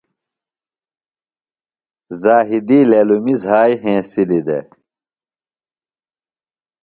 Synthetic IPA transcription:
zaːɦid̪ileːlumizaːjɦẽːsilid̪ḛ

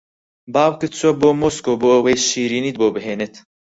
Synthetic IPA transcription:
baːwkɨt͡suwɐboːmoːskoːboːəweːʃiːɾiːniːd̪̚boːbɦeːnet̪

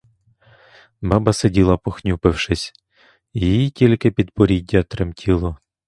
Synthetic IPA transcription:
bɑbɐsedʲilˠɐpɔxnʲupɪwʃɪsʲ | jjijitʲilʲkɪpʲid̪pɔɾʲidʲːɐt̪ɾɪmtʲʰilˠɔ

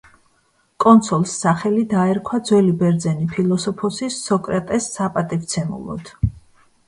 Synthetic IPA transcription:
kʼɔnt̪sʰɔlˠsːaχɛlid̪aɛɾkʰwad̪zwɛlibɛɾd̪zɛnipʰilˠɔsɔpʰɔsisːɔkʼɾɛt̪ʼɛsːapʼat̪ʼivt̪sʰɛmṵlˠɔ̰d̪̥

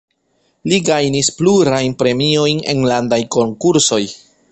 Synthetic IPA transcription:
liɡajnispluɾajnpɾe̞mio̞jne̞̰nlandajko̞ŋkuɾso̞j

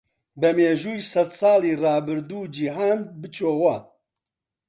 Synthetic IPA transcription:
bɛmeːʒuːjsɐd̪sɑːliːrɑːbɨɾd̪uːd͡ʒiɦaːnbɨt͡ʃʰoːwɐ

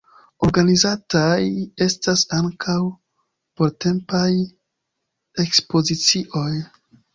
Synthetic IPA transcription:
o̞ɾɡanizataje̞stasaŋkʰaw | po̞ɾte̞mpaj | e̞kspo̞zit͡siʔo̞j

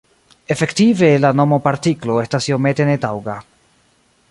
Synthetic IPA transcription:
e̞fe̞ktive̞lano̞mo̞paɾtiklo̞e̞stasio̞me̞te̞ne̞tawɡa

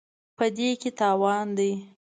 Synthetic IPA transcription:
pəd̪eket̪ɑwɑnd̪aj

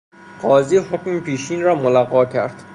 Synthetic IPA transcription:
ɢɒːziːhokmepʰiːʃiːnrɒːmolæɣɒːcʰæɾd̪̥

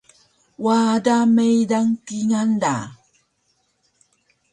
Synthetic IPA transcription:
waːdamejdaŋkiŋanda

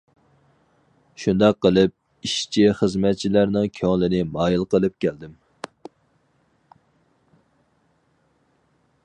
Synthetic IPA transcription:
ʃund̪ɑqːəlˠɨp̚ | iʃt͡ʃʰiχəzmɛt̪̚t͡ʃʰilæɾnɪŋkʲʰøŋlˠɨnɪmɑːjilˠqəlˠɨp̚kʲʰæld̪ɪm

